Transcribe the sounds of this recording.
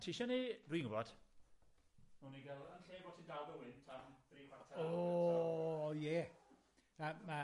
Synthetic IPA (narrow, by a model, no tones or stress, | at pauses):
tʰiʃɔnidwiːnŋɡʊbɔd̥ | muniɡɛlˠənɬeːbɔtʰindalˠɡəwɪntʰamðriːkwartʰao | jɛ | ama